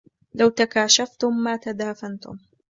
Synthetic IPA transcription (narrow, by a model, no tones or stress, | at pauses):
lawt̪akaːʃaft̪ʊmːaːt̪ad̪aːfant̪ʊ̰m